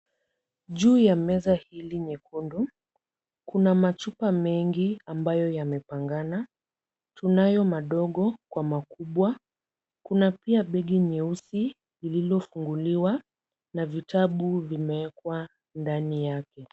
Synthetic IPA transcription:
ʄuːjamɛzahiliɲɛkʰundu | kunamat͡ʃupamɛŋɡiambajɔjamɛpaŋɡana | tunajɔmaɗɔɠɔkwamakuɓwa | kunapiaɓɛɠiɲɛusi | lililɔfuŋɡuliwa | navitʰaɓuvimɛɛkwa | ndanijakɛ

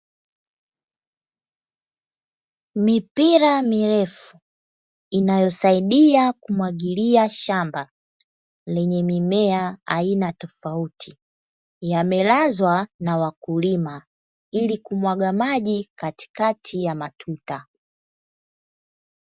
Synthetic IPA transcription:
mipiɾamiɾɛfu | inajɔsaiɗiakumwaɠiliaʃamba | lɛɲɛmimɛaainatɔfautʰi | jamɛlazwanawakulima | ilikumwaɠamaʄikati̥katʰijamatʰuta

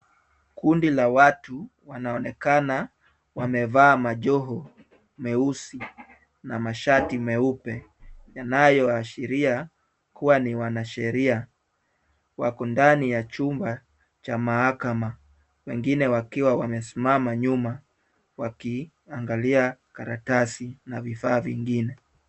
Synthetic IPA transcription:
kundilawatuwanaɔnɛkana | wamɛvaːmaʄɔɦɔ | mɛusi | namaʃatimɛupɛjanajɔaʃiɾia | kuwaniwanaʃɛɾia | wakɔndanijat͡ʃumba | t͡ʃamahakama | wɛŋɡinɛwakiwawamɛsimamaɲuma | waki | aŋɡaliakaɾatasinavifaːviŋɡinɛ

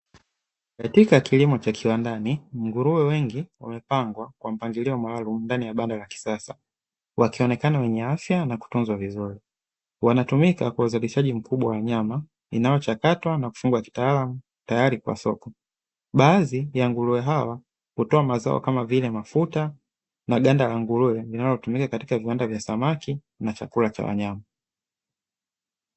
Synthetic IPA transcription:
katikakilimɔt͡ʃakʰiwandaniŋɡuɾuwɛwɛŋɡiwa̰mɛpaŋɡwakwam̩paŋɡiliɔmaalum̩ndanijaɓandalaki̥sasa | wakiɔnɛkanawɛɲɛafjanaku̥tunzwavizuɾi | wanatumikakwauzaliʃaʄim̩kuɓwawaɲama | inajɔt͡ʃakatwanaku̥fuŋɡwaki̥taːlamu | tajaɾikwa̰sɔkɔ | ɓaːzijaŋɡuluɛɦawa | kutɔamaza̰ɔ̰kamavilɛmafuta | naɠandalaŋɡuluɛlinalɔtumikakati̥kaviwandavjasamaki | nat͡ʃa̰kulat͡ʃa̰wa̰ɲama

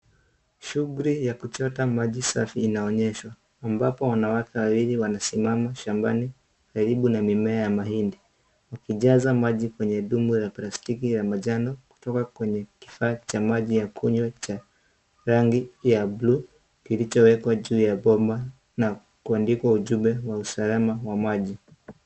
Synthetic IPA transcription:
ʃuɡuɾijakut͡ʃɔtamaʄisa̰fiːnaɔɲɛʃwaː | mbapɔwanawakɛwawiliwanasimamaʃambani | kaɾiɓunamimɛajamahindi | wakiʄazamaʄikwɛɲɛɗumuɾaplastikiɾamaʄanɔku̥tɔkakwɛɲɛki̥faːt͡ʃamaʄijakʰuɲwat͡ʃa | ɾaŋɡijablu | kilit͡ʃɔwɛkwaʄuːjaɓɔmba | na | kuandikwauʄumɛwausalamawamaʄi

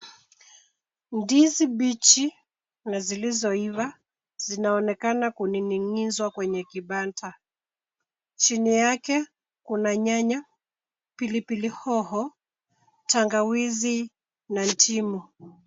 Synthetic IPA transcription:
ndiziɓit͡ʃi | nazilizɔiva | z̥inaɔnɛkanakuniniŋizwakwɛɲɛkiɓantʰa | t͡ʃinijakɛ | kunaɲaɲa | pilipilihɔhɔ | taŋɡawizi | nan̩tʰimu

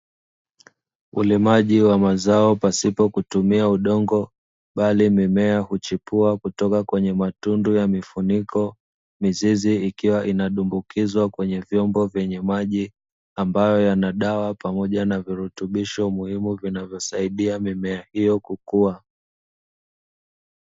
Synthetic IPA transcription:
ulimaʄiwamazaɔpasipɔkutumiauɗɔŋɡɔ | ɓalimimɛahut͡ʃipuakutɔkakwɛɲɛmatundujamifunikɔ | miziziikiwaʔinaɗumbukʰizwakwɛɲɛvjɔmbɔvjɛɲɛmaʄi | ambajɔjanaɗawapamɔʄanaviɾutuɓiʃɔmuhimuvinavjɔsaiɗiamimɛahijɔkukua

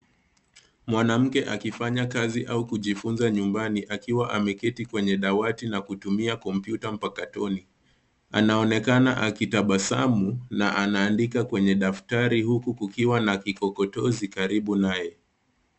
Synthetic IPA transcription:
mwanam̩kɛʔakifaɲakaziʔaukuʄifunzaɲumbaniʔakiwaʔamɛkɛtikwɛɲɛɗawatinakutumiakɔm̩pjutam̩pakatɔni | a̰naɔnɛkana̰ʔakitaɓasa̰munaʔanaːndikakwɛɲɛɗaftaɾihukukukiwanakikɔkɔtɔzikaɾiɓunajɛ

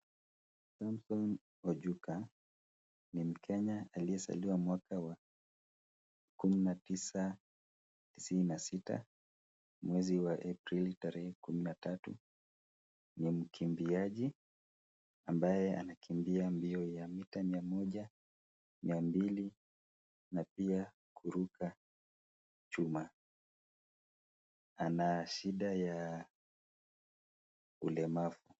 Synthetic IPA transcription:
samsɔn | ɔʄuka | nim̩kʰɛɲaaliɛsa̰liwamwakawa | kuminatisa | tisininasita̰ | mwɛziwaʔapɾilitaɾɛhɛkuminatatṵ | nim̩kʰimbiaʄi | ambajɛa̰nakʰimbiambiɔjamitamiamɔʄa | mʔiambili | napia | kʰuɾukʰa | t͡ʃuma | anaʃiɗaja | ulɛmafu

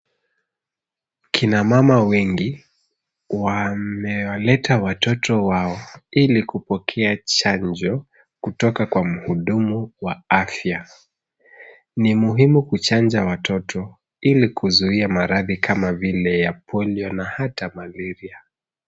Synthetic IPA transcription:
kʰinamamawɛŋɡi | wamɛwalɛtʰawatɔtɔwaɔilikupɔkʰɛat͡ʃand͡ʒɔ | kutɔkakwam̩huɗumuwaafja | nimuɦimukut͡ʃand͡ʒawatʰɔtʰɔ | ilikʰuzuiamaɾaðikʰamavilɛjapʰɔliɔnahatamaliɾia

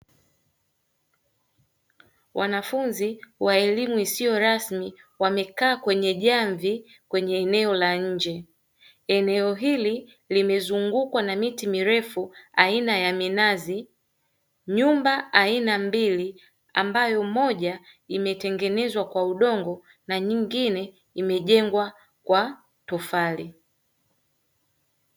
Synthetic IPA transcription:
wʔanafunziwaɛlimuisijɔɾasmiwamɛkaːkwɛɲɛʄaɱvi | kwɛɲɛːnɛɔlaɲ̩d͡ʒɛ | ɛnɛɔɦili | limɛzuŋɡukwanamitimiɾɛfuainajaminazi | ɲumbaainambili | ambajɔmɔʄaimɛtɛŋɡɛnɛzwakwauɗɔŋɡɔ | naɲiŋɡinɛ | imɛʄɛŋɡwa | kwa | tɔfali

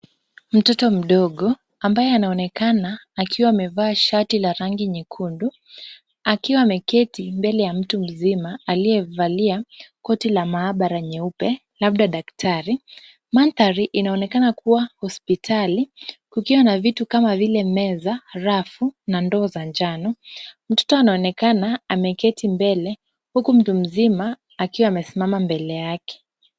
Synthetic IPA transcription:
m̩tɔtɔm̩ɗɔɠɔ | ambajɛanaɔnɛkanaːkʰiwaːmɛvaːʃatilaɾaŋɡiɲikʰundu | akiwaːmɛkɛtimbɛlɛjam̩tum̩zimaaliɛvaliakɔtilamaːɓaɾaɲɛupɛ | laɓ̚ɗaɗaktʰaɾi | manθaɾiʔinaɔnɛkanakuwahɔspitʰalikukiwanavitukamavilɛmɛzaɾafunandɔːzand͡ʒanɔm̩tɔ̥tɔanaɔnɛkanaamɛkɛtimbɛlɛ | hukum̩tum̩zimaː | kiwaːmɛsimamambɛlɛjakɛ̥

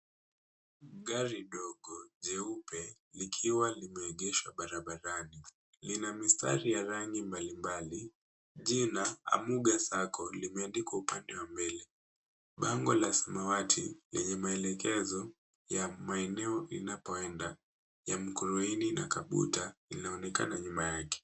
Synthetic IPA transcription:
ɠaɾiɗɔɠɔʄɛupɛ | likʰiwalimɛːʄɛʃwaɓaɾaɓaɾani | linamista̰ɾijaɾaŋɡimbalimbali | ʄinaa̰muɠasakɔlimɛandikwaupandɛwambɛlɛ | ɓaŋɡɔlasamawatʰḭlɛɲɛmaɛlɛkɛzɔ | jamaɛnɛɔʔinapɔɛnda | jam̩kuɾuinina̰kaɓṵtalinaɔnɛka̰naɲumajakɛ̥

